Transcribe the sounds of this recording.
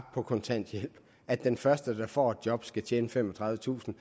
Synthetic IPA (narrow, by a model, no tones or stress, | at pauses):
pʰɒ̽kʰɒ̽nt͡sʰæn̰d̥jel̰b̥ | æd̥ːenfɶɐsd̥əd̥ɑ̈fɒ̰ːe̝d̥jɒ̽b̥sɡ̥æt͡ɕʰeːnəfemɒ̽t͡sʰʁɑ̈ðˠʋət͡sʰṵːsn̩